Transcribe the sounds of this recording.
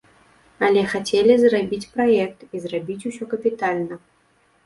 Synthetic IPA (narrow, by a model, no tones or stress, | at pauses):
ɐlʲɛxat͡sʲelʲizrabʲit͡sʲpɾajɛk̚t̪izrabʲit͡sʲusʲɔkɐpʲit̪alʲnɐ